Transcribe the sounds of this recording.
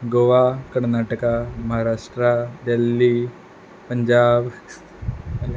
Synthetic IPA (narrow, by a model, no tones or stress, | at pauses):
ɡoʋakɐɳnaːʈəkamɐɦaːɾaːʂʈɾad̪elːi | pɐɲd͡ʒaːb